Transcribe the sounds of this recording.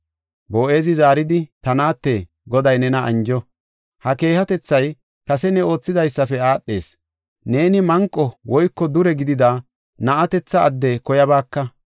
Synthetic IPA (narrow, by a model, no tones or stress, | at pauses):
bo̞ːʔe̞ːzɪzaːɾɪd̪ɪt̪ɐnaːt̪ːe | ɡɔd̪ɐjnɛnɐʔɐ̰nd͡ʒɔ | hɐke̞ːhɐt̪ɛt͡sːɐj | kɐsɛnɛo̞ːt͡sːɪzɐjsːɐfɛaːɗːe̞ːs | ne̞ːnɪmɐŋkʼːɔwɔjkːɔd̪ʊɾɛɡɪd̪ɪd̪aː | nɐʔɐt̪ɛt͡sːɐːd̪ːɛkɔjɐbaːkːɐ